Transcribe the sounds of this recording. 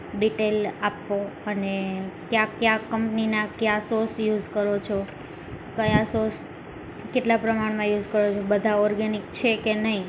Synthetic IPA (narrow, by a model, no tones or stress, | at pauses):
ɖiʈelapːoənekjãkjãkːəmpninakjasosjud͡ʒkəɾot͡ʃʰo | kəjasos | keʈlapɾəmaɽmãjud͡ʒkəɾot͡ʃʰobəd̪ʱaɔɾɡanik̚t͡ʃʰekenəɦi